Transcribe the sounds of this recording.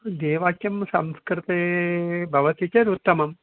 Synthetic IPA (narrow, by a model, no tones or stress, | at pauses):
d̪eːʋaːkjɐmsɐ̰mskɾɪt̪ebʱɐʋɐt̪it͡ʃɐɾut̪ːɐmɐm